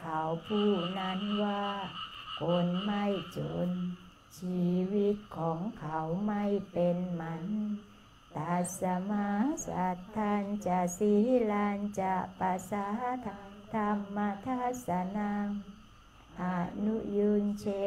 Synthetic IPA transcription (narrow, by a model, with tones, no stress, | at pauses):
kʰa˨˧˦wpʰuː˧˩na˧˥˨nwaː˧˩kʰo˧nma˧˥˩jt͡ɕo˨˧n | t͡ɕʰiː˧wi˧t̪̚kʰɔː˨˦ŋkʰa˨˦wma˧˥˩jpe˨nma˧˦n | t̪a˨˧sa˧ma˧sa̰˨˧˦t̪ʰːaː˧nt͡ɕa˧˩si˧hlaː˧nt͡ɕa˧˩pa˧sa˧ | t̪ʰa˧mːa˧t̪ʰa˧˥sa˧na˧ŋ | ʔa˧˩nu˧˥ju˧nt͡ɕʰe˧